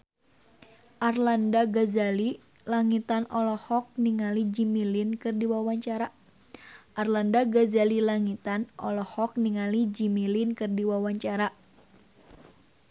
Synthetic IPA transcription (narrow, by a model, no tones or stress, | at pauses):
ʔarlandaɡazali | laŋit̪anʔɔlɔhɔk̚niŋalid͡ʒimilinkɨrdiwawaɲt͡ʃaɾa | ʔarlandaɡazalilaŋit̪anʔɔ̰lɔhɔk̚niŋalid͡ʒimilinkɨrdiwawaɲt͡ʃaɾa